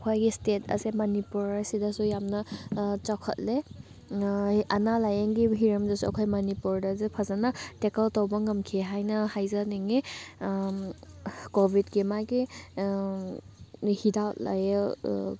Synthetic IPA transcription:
kʰojɡistetʰɐ̰semanipuɾasidɐsujamnɐt͡ʃakʰɐ̰t̚le | ɐnalajəŋɡiɦiɾɐmdɐsua̰kʰojmɐnipuɾdazepʰazanatekəltowbɐŋɐmkʰiɦajnɐhajzaniŋe | kobʱidɡemaɡi | hidawtla̰je

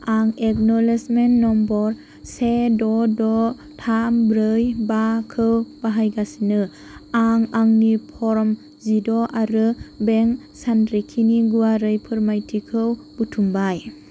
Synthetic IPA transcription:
aŋek̚nɔlesmentnɔmbɔɾ | sedɔdɔ | tʰambɾɯjbakʰɯwb̥aɦajɡasinɯ | aŋaŋnipʰɔɾm | zidɔʔaɾɯbeŋ | sanɾekʰiniɡuwaɾɯjpʰɯɾmajtʰikʰɯwb̥utʰumbaj

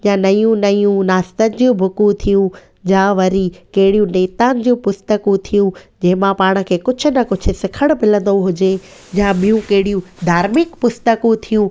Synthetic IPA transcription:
jãnɐjũnɐjũnaːst̪ənɪ̆d͡ʑũbʱʊkũt̪ʰijũ | d͡ʑãːʋɐɾikɐɦɪɽijũneːt̪ãːnɪ̆d͡ʑũpʊst̪əkũt̪ʰijũd͡ʑɐ̃ɦɪ̃mãpaːɽ̃ə̆kʰeːkʊd͡ʑʰʊ̆nɐkʊt͡ɕʰʊ̆sɪkʰəɽ̃mɪlə̃nd̪oɦʊd͡ʑe | d͡ʑãɓijũkɐɦɪɽijũd̪ʱaːɾmɪkpʊst̪əkũt̪ʰijũ

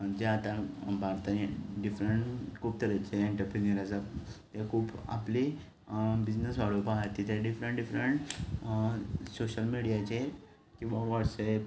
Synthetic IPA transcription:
d͡ʑeat̪ãbʱaɾt̪aniɖifɾəɳʈkʰuːb̚t̪əɾat͡ɕeiɳʈəɾpeniəɾasat̪akʰuːpa̰pli | bid͡ʑnəsʋaɽ̤owpaɦat̪ːit̪eɖifɾəɳʈɖifɾəɳʈ | soɕəlmiɽijat͡ɕe | kĩw̃ʋaʋɔʈsep

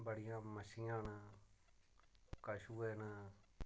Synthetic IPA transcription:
bəɽɪjãːməʃɪjãːna | kəʃuːeːnaː

